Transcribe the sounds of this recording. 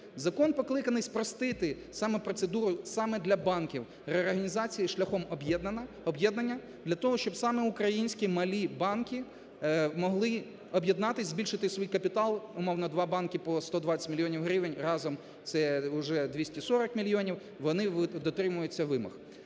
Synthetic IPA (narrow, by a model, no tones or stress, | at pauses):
zɐkɔnpɔklˠɪkɐnɪspɾɔst̪ɪt̪ɪ | sɑmɛpɾɔt̪sed̪uɾʊsɑmɛd̪lʲɐbɑnkʲiw | reɔɾɦɐnʲizɑt͡sʲijiʃlʲɐxɔmbjɛd̪ | ɔbjɛd̪nɐnʲːɐ | d̪lʲɐt̪ɔɦɔʃt͡ʃɔbsɑmɛʊkɾɐjinʲsʲkʲimɐlʲibɑnkʲi | mɔɦlˠɪ | ɔbjed̪nɑt̪ɪzʲbʲilʲʃɪt̪ɪsʋijkɐpʲit̪ɑlˠʊmɔwnɔd̪ʋɑbɑnkʲipɔst̪ɔd̪ʋɑt͡sʲɐ̥tʲmʲilʲjɔnʲiwɦɾʲiʋenʲrɑzɔm | t̪sɛʊʒɛd̪ʋʲisʲtʲisɔɾɔkmʲilʲjɔnʲiw | ʋɔnɪʋd̪ɔt̪ɾɪmʊjʊt͡sʲːɐʋɪmɐ̰x